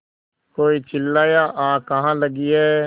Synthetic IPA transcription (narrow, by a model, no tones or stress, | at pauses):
koːiːt͡ʃɪlːaːjaːʔaːkəɦãːləɡiɛː